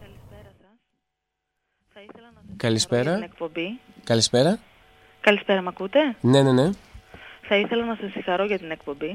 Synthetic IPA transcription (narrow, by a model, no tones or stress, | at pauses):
kɐlispeɾɐsɐs | θɐiθelɐnɐkɐlispe̞ɾɐnek̚po̞mbi | kɐlispe̞ɾɐ | kɐlispe̞ɾɐmɐkut̪e̞ne̞ne̞ne̞ | θɐiθe̞lɐnɐsɐsĩxɐɾo̞ʝɐt̪inekpo̞mbi